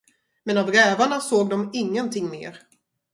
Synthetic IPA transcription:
mɛnavɾɛːvaɳasoːɡ̚d̪ɔmɪŋːənt̪ʰɪŋːmḛːɾ

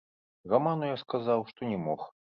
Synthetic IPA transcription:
ɣamanujaskazawʂt̪ɔnʲɛmɔx

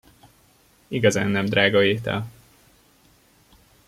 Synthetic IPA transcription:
iɡɒza̰ːnːɛmd̪raːɡɒeːt̪ɛ̰l

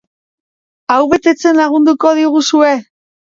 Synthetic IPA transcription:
awβe̞t̪e̞t͡se̞nlaɣ̞und̪uko̞ð̞iɣusue̞

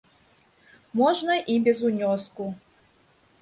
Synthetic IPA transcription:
mɔʐnɐʔibʲɛzunʲɔsku

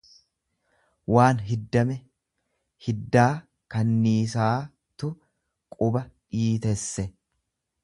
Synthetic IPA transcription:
waːnɦɪd̪ːɐmɛ | hɪd̪ːaː | kɐnːiːs̬aː | t̪ʊ | kʼʊbɐᶑiːt̪ɛsːɛ

